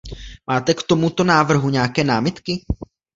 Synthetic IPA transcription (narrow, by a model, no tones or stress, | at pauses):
maːt̪ɛkt̪o̞mut̪o̞naːvr̩ɦuɲɛakɛːnaːmɪt̪kɪ